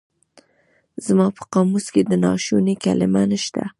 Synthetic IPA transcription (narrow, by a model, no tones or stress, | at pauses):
zmɑpə̥qɑmusked̪ənɑʃunikalɪmanəʃt̪a̰